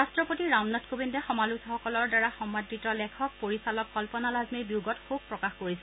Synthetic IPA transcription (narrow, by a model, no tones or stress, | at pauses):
astɹɔpotiɹamnɔtkobindɛxɔmalutʰɔxɔkɔlɔɹdaɹaxɔmːadɹitɔlɛkʰɔk̚poɹisalɔk̚kɔlpɔnalazmiɹbiuɡɔtkʰub̚pɹɔkaxkoɹisɛ